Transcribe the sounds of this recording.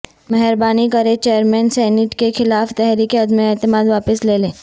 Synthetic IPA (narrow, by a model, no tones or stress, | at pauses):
mɛɦəɾbaːnikɐɾet͡ʃeːjəɾmɛ̃ːnsɛːnɪʈkexɪlaːft̪ɛɦɾikeɐd̪meeːt̪ɪmaːd̪ʋaːpəsleːlẽː